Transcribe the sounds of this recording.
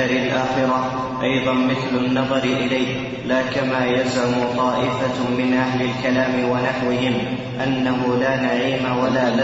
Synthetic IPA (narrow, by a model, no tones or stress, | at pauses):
aɾɪlʔaːxɪɾa | ʔɑjðˤɑnmɪθlanːɑðˤɑɾɪʔɪlajh | laːkamaːjalzʕamʊt̪ˤɑːʔɪfamɪnʔaɦlalkalaːmɪwanaħwɪɦɪm | ʔanːaɦʊlaːnaʕiːmawalaːla